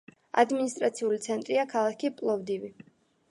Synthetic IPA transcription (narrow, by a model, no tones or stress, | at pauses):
a̰d̪minist̪ʼɾat̪sʰiulit̪sʰɛnt̪ʼɾiakʰalˠakʰipʼlˠɔvd̪ivi